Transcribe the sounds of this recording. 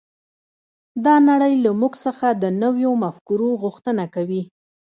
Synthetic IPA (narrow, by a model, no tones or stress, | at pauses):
d̪ɑnaɽəjlamuɡsəxad̪ənəwjomafkuɾoɣuxt̪ənakawi